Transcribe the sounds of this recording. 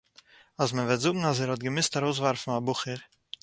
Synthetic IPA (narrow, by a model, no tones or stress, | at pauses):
asmənvɛtzʊɡŋ̩as̬ɛːɾhɔt̚ɡəmɪstaɾoʊs̬vaɾfn̩abʊχəɾ